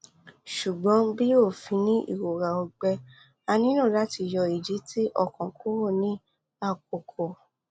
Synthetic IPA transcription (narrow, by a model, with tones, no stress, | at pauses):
ʃu˨ɡ͡bɔ̃˨˦bi˦o˦˨fĩ˧nĩ˦ʔḭ˦˨ɾo˨ɾa˨ɔ˧ɡ͡bɛ˧ | a˧nĩ˦nũ˦˨la˨˦ti˧˨jɔ˧i˨d͡ʒi˨˦tʰi˦ʔɔ̰˦˨kɔ̃˨kʰo˦wo˦˨nĩ˨˦ | a˦˨k̚o˨kʰɔ˨